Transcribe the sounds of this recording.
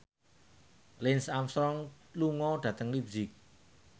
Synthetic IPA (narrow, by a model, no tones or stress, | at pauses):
lɪnsamst̪ɾɔŋ | luŋɔɖ̥ä̤t̪əŋlibzɪk̚